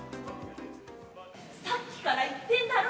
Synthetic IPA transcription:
sakʲːi̥kaɾait̪ːẽ̞nd̪aɾɯ

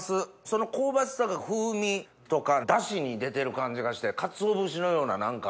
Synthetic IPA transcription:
sɨ | so̞no̞ko̞ːbat͡sɨ̥t̪okaɸɯːmʲi | t̪o̞kad̪aɕiɲ̟id̪e̞t̪e̞ɾɯ̟kãɲ̟d͡ʑiɡaɕi̥t̪e̞kat͡sɨo̞bɯɕ̬ino̞jo̞ːnanãŋka

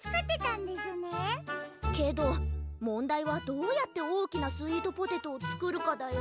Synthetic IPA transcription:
t͡sɨ̥kat̪et̪ãnd̪esɨne | ke̞d̪o̞mõ̞nd̪aiβad̪o̞ːjat̪ːe̞o̞ːkʲinasɨiːd̪o̞po̞t̪e̞t̪oːt͡sɨ̥kɯ̟ɾɯ̟kad̪ajo

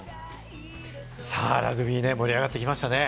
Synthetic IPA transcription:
sa̰ːɾa̰ɡɯ̟bʲine̞mo̞ɾʲiaɡat̪ːe̞kʲimaɕi̥t̪ane̞

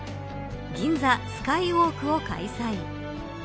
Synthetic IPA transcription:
ɡʲĩnd͡zasɨ̥kaioːkɯ̟oka̰isai

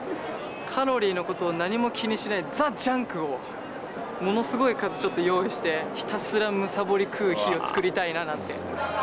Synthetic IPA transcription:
kʰaɾo̞ɾʲiːno̞ko̞t̪o̞ːnaɲ̟imo̞kʲiɲ̟iɕinaid͡zad͡ʑãŋkɯ̟o̞ | mo̞no̞sɨɡo̞ikazɨt͡ɕot̪ːo̞jo̞ːiɕi̥t̪e̞çi̥t̪asɨɾamɯ̟sabo̞ɾʲikʰɯːçio̞t͡sɨ̥kɯ̟ɾʲit̪ainanãnt̪e̞

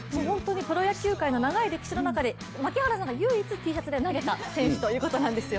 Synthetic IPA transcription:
moːɦõ̞nt̪o̞ːɲ̟ipɯ̟ɾo̞jakʲɨːkaino̞naɡaiɾe̞kʲi̥ɕino̞nakad̪e̞ | makʲihaɾas̬ãŋɡajɯ̟ːit͡sɨt̪ʲiːɕat͡sɨd̪enaɡe̞t̪asẽ̞ɰ̃ɕʲi̥t̪o̞jɯ̟ːko̞t̪o̞nãnd̪e̞sɨjo

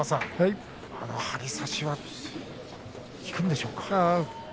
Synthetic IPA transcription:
asãhai | anohaɾʲisaɕiβa | kʲi̥kɯ̟̃nd̪e̞ɕo̞ːkḁa

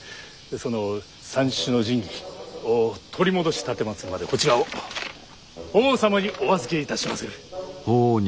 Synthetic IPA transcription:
so̞no̞ | sãɰ̃ɕɨno̞ʑĩŋɡʲiot̪ʰo̞ɾʲimo̞d̪o̞ɕi̥t̪at̪ːemasɨmad̪e̞ko̞t͡ɕiɾa | oːsamaɲ̟iʔo̞βazɨke̞it̪aɕimasɨo

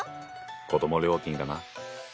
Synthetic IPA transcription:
ko̞d̪o̞moɾʲjo̞ːkʲĩŋkana

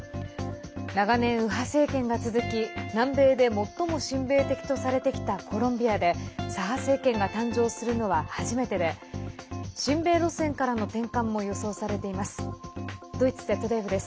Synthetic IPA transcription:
naɡanẽ̞ɰ̃ɯ̟ɦase̞ːkẽ̞ŋɡat͡sɨzɨkʲinãmbe̞ːd̪e̞mo̞t̪ːo̞mo̞ɕĩmbe̞ːt̪e̞kʲi̥t̪o̞saɾe̞t̪e̞kʲi̥t̪ako̞ɾõ̞mbʲiad̪e̞saɦase̞ːkẽ̞ŋɡat̪ãɲ̟d͡ʑo̞ːsɨɾɯ̟no̞βahaʑime̞t̪e̞d̪e̞ | ɕĩmbe̞ːɾo̞sẽ̞ŋkaɾano̞t̪ẽ̞ŋkãmːo̞jo̞so̞ːsaɾe̞t̪e̞imasɨ̥d̪̥o̞it͡sɨ̥zet̪ːod̪eibɯ̟d̪e̞sɨ̥

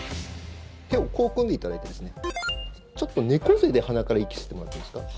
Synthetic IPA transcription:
heoko̞ːkɯ̃nd̪e̞it̪ad̪a̰it̪ed̪e̞sɨne̞ | t͡ɕo̞t̪ːo̞ne̞ko̞ze̞d̪e̞hanakaɾaikʲi̥sɨ̥t̪emo̞ɾat̪ːemḁsɨ̥ka

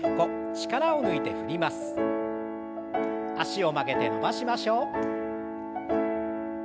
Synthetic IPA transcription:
ɯ̟ko̞ | t͡ɕi̥kaɾaonɯit̪e̞ɸɯ̟ɾʲimasɨ̥ | aɕio̞make̞t̪e̞no̞baɕimaɕo̞ː

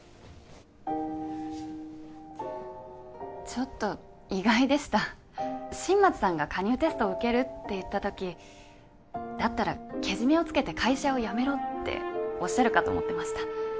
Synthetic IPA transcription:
t͡ɕo̞t̪ːo̞ | iɡaid̪e̞ɕi̥t̪a | ɕĩmːat͡sɨ̥sãŋɡakaɲ̟ɨːt̪e̞sɨ̥t̪o̞ːɯ̟ke̞ɾɯ̟t̪ːe̞jɯ̟t̪ːat̪o̞kʲi | d̪̥at̪ːaɾa̰ke̞ʑime̞o̞t͡sɨ̥ke̞t̪e̞kʰaiɕao̞jame̞ɾo̞t̪ːḛo̞ɕːaɾɯ̟kat̪o̞̰ːmo̞̰t̪ːe̞maɕi̥t̪ḁ

